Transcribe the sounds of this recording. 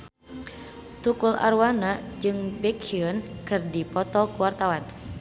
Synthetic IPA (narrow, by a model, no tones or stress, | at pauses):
t̪ukula̰rwanad͡ʒɨŋbɛkiənkɨrdipɔt̪ɔkuwart̪awan